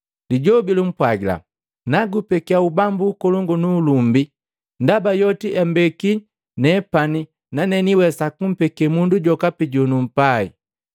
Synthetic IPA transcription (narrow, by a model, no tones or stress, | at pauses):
liɟɔbilum̩pwaɡila̰ | naɡupɛkiaubambuːkɔlɔŋɡɔnuːlumbi | ndabajɔtiʔɛmbɛki | nɛpani | nanɛniwɛsakum̩pɛkɛmunduɟɔkapiɟɔnum̩paḭ